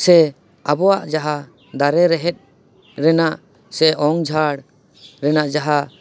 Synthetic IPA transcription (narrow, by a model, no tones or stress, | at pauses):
sɛ | abɔaʔd͡ʒaɦa | d̪aɾɛɾɛɦɛt̪̚ˀ | ɾɛnaʔ | sɛʔɔŋd͡ʒʱaɽ | ɾɛnaʔd͡ʒaɦa